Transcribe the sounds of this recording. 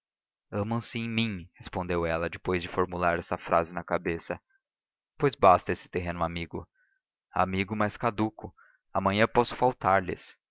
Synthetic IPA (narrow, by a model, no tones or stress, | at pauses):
ɐ̃mɐ̃w̃sɪẽj̃mĩhespõnd̪ewɛlɐd͡ʒɪpojzd͡ʒɪfoɾmulaɾɛsɐfɾa̰zɪnɐkabesɐ | pojzbast̪ɐesɪ̥t̪eɦẽnʊamiɡʊ | a̰miɡʊmajskad̪ukʊ | amɐ̃ɲɐ̃pɔsʊ̥fawt̪aɾlɪ̰s